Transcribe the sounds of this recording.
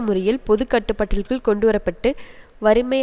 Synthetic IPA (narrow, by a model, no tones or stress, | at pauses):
mʊɾɐjɪlpɔðɯkːɐʈːɯpːɐʈːɪlkɯɭkɔɳɖɯʋɐɾɐpːɐʈːɯ | ʋɐɾɯmɐj